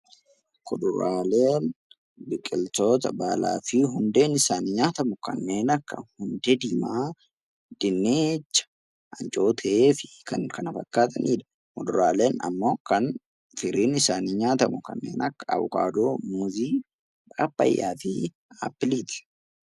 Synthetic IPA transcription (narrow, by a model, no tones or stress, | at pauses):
kʊd̪ʊɾaːleːn | bɪkʼɪlt̪o̞ːt̪ɐbaːla̰ːfɪɦʊnd̪e̞ːnɪsaːnɲaːt̪ɐmʊkɐ̰nːe̞ːnɐkːɐhʊnd̪ɛd̪ɪmaː | d̪̥ɪnːet͡ʃːɐ̥ | ʔɐnt͡ʃʼo̞ːt̪ʰɛeːfɪ̥kɐnkɐnɐfɐkːaːt̪ʰɐnʔiːᶑ̪ɐ̥ | kʊd̪ʊɾaːle̞ːnɐ̰mːo̞ːkɐn | fɪɾiːnɪsaːniɲaːt̪ɐmʊkɐ̰nːe̞̰ːnɐkːɐɐ̰βʊka̰ːd̪o̞ːmuziː | ᶑʼaːpːɐ̰jːa̰ːfi | a̰pːɪliːt̪ɪ̥